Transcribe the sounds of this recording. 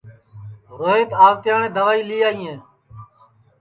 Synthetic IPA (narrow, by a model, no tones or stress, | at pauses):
ɾoːeːt̪aːʋt̪jaːɳẽːd̪əʋaːiːliːaːĩːẽː